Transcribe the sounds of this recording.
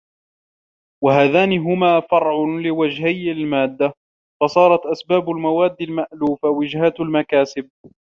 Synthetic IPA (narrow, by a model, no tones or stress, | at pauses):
waɦaːðaːnɪɦʊmaːfɑɾˤʕʊlɪwad͡ʒhajalmaːd̪ːa | fɑsˤɑːɾˤɑt̪ʔasbaːbʊlmawaːd̪ːɪlmaʔluːfawɪd͡ʒhat̪almakaːsɪb̚